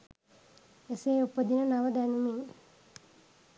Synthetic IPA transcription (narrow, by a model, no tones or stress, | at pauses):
eseːupːəd̪inənaʋəd̪ænumi